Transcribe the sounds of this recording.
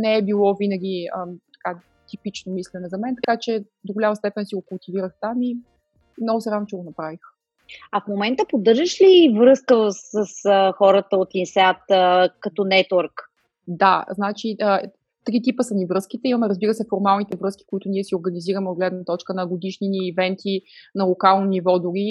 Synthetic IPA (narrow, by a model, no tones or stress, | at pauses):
nɛɛbilˠɔvinəɡʲiət̪ɐ̥ka | t̪ipit͡ʃnomislʲɛnɛzɐmɛnt̪ɐkat͡ʃɛ | d̪oɡolʲamɐst̪ɛpɛnsiɡokʊlˠt̪iviɾəxt̪ami | mnɔɡʊsɛɾavnʊt͡ʃɛɡonɐpɾavix | ɐfmomɛnt̪əpod̪ɤɾʒəʃlivɾɤskəsəsəxɔɾət̪əot̪insajt̪əkɐt̪ɔnɛt̪əɾk | d̪aznat͡ʃiʔə | t̪ɾit̪̬ipəsənivɾɤsk̟it̪ɛimɐmɛɾəzbiɾəsɛfoɾmalˠnit̪ɛvɾɤski̥koit̪ʊniɛsioɾɡəniziɾəmɛod̪ɡlɛd̪nət̪ɔt͡ʃkənɐɡod̪iʃniniːvɛnt̪inɐlˠokalˠnonivɔd̪uɾi